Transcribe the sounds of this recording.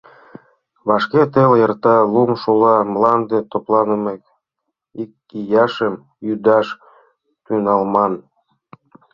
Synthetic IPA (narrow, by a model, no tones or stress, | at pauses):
βɑʃket̪eljərt̪ɑlumʃulɑmlɑnd̪et̪oplɑnəmek̚ | ikːijɑʃəm | jyd̪ɑʃ | t̪ynɑlmɑn